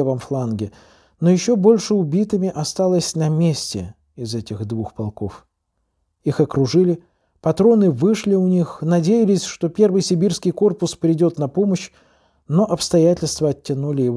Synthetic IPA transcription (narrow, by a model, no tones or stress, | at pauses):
vəmflˠanɡʲɪ | no̞jɪɕːo̞bo̞lʲʂɨʊbʲit̪ɨmʲɪʔɐst̪alˠəsʲnɐmʲesʲtʲɪ̰ | ɪzɛtʲɪxd̪vuxpɐlˠko̞̰f | ixɐkɾʊʐɨlʲɪ | pɐt̪ɾo̞nɨvɨʂlʲɪʊnʲixnɐdʲejɪlʲɪsʲʂt̪o̞pʲe̞rvɨjsʲɪbʲirskʲɪjko̞rpʊspɾʲɪdʲo̞t̪nɐpo̞məɕ | no̞ʔɐpst̪ɐjætʲɪlʲst̪vəɐtʲːɪnulʲɪjɪv